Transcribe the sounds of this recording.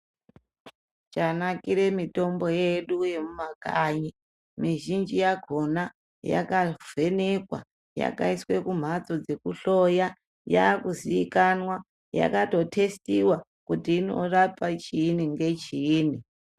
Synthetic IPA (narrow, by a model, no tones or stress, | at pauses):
t͡ʃanakiɾe̞mito̞mbo̞je̞ɗuje̞mumakaɲi | miʒind͡ʒijaɡʱo̞na | ja̰kav̥e̞ne̞kwa̰ | ja̰kaiswe̞kum̤at͡so̞d͡ze̞kuɬo̞ja | ja̰ːkuziikanwa | ja̰kato̞tʰe̞stiwa | kutiːno̞̰rapat͡ʃiːniŋɡe̞t͡ʃiːni